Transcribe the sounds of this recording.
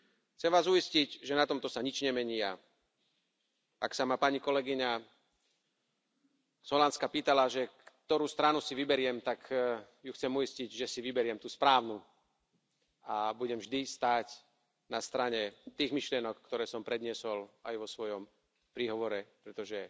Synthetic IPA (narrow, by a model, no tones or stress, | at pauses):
xt͡sɛmʋaːzuiscicʒɛnat̪ɔmt̪ɔsaɲit͡ʃɲɛmɛɲiːa | aksamapaɲikɔlɛɡiɲa | z̥ɦɔlanskapiːt̪alaʒɛkt̪ɔɾuːst̪ɾanusiʋibɛɾɪɛmt̪ak | juxt͡sɛmuisciɟʒɛsiʋibɛɾɪɛmt̪uːspɾaːʊnu | abuɟɛmvʒd̪ist̪aːc | nast̪ɾaɲɛt̪iːɣmiʃlɪɛnɔkːt̪ɔɾɛːsɔmpɾɛd̪ɲɪɛsɔlajʋɔsʋɔjɔm | pɾiːɦɔʋɔɾɛpɾɛt̪ɔʒɛ